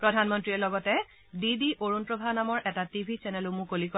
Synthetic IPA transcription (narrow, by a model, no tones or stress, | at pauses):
pɹɔdʱanmɔntɹiɛlɔɡɔtɛ | didiʔoɹunpɹɔbʱanamɔɹʔɛtatibʱisɛnɛlumũkolikɔ